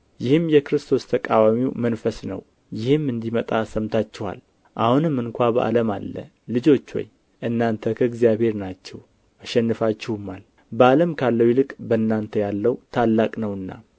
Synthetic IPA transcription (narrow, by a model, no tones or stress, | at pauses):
jɪhɨmːjɛkɨɾɨst̪ʰo̞st̪ʰəkʼawamiwmənfəsnə̰w | jɪhɨmːɨnd̪imət̪ʼasəmt̪ʰat͡ʃːɛha̰l | ʔahunɨmːɨŋkʷʰabəʔa̰ləma̰lːə̰ːɨd͡ʒo̞t͡ʃːwɔ̰j | ʔɨnːant̪ʰəkʰəɨɡzijaβhe̞ɾnat͡ʃːɛw | ʔaʃɛnːɨfat͡ʃːɪhumːal | bəaləmkʰalːəwilɨkʼbəɨnːant̪ʰəjalːəwt̪ʰalːakʼnəwɨnːa̰